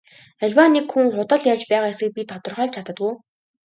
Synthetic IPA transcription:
æɮʲwanːekxuŋχʊt̪ə̆ɮjart͡ɕpæːʁaːjasɘ̆k̚pʲit̪ʰɔt̪ɞ̆rχœːɮt͡ɕʰat̪ə̆t̪̚ɡuj

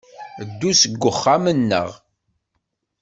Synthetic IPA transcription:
d̪ːusəɡʷːəχːamənːə̰ʁ

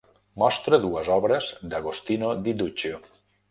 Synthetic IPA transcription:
mɔst̪ɾəðuəzɔβɾəzd̪aɣost̪inod̪id̪ut͡ʃo

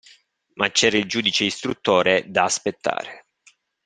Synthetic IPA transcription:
mat͡ʃːɛːɾaild͡ʒuːd̪it͡ʃeist̪ɾut̪ːoːɾed̪aːspet̪ːa̰ːɾe

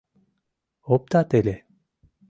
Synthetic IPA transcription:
op̚t̪at̪ele

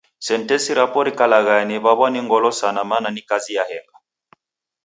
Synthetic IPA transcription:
sɛn̩tɛsiɾapɔɾikalaɣanɛβaβwaniŋɡɔlɔsanamananikazijahɛŋɡa

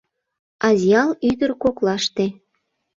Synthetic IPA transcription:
ɑzjɑlyd̪ərkoklɑʃt̪e

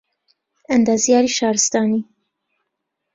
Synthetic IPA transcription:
and̪ɑːzijɑːɾiːʃɑːɾɨst̪ɑːni

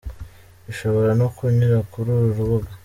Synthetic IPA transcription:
iʃo̞βo̞ɾanokuɲiɾakuɾuːɾuɾuβuɡa

